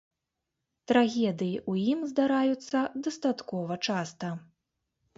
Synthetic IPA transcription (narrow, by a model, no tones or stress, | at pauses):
t̪ɾaɣʲɛd̪ɨjiʔujimzd̪aɾajut̪sːɐd̪ɐst̪at̪kɔvɐt͡ʂast̪ɐ